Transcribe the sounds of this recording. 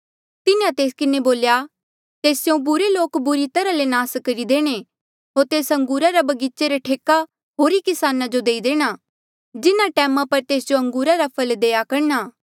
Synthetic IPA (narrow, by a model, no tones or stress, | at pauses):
t̪ɪnãt̪eːskɪneboːlja | t̪eːsjõbʊɾeloːkbʊɾit̪ɐɾalenaːskɐɾid̪eːɽ̃e | ɦoːɾt̪eːsɐ̃ŋɡuːɾaɾabɐɡit͡ʃeɾaʈʰeːka | ɦoːɾikɪsaːnad͡ʒod̪eːid̪eːɽ̃a | d͡ʒɪnaʈɛːmapɐɾt̪eːsd͡ʒoɐ̃ŋɡuːɾaɾapʰɐld̪eːjakɐɾnaː